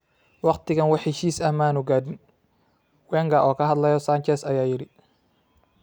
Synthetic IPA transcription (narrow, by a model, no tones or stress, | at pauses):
wɑqt̪ɪɣɐnwɑħɛʃiːsɐhmaːnʊɡaːd̪ɪn | wɛːŋɡaːʔɔːkʰɐɦɐd̪lɐjɔsaːnt͡ʃɛsɐjaːjɪɾɪ